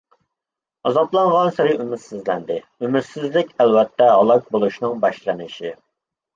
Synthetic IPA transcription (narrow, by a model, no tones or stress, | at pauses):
ɑzɑplˠɑɴʁɑnsɪɾɪymɪt̪sɪzlɛnd̪ɪ | ymɪt̪sɪzlɪkʲælwɛt̪ʰːɛɦɑlˠɑk̚bolˠuʃnɪŋbɑʃlɨnɪʃi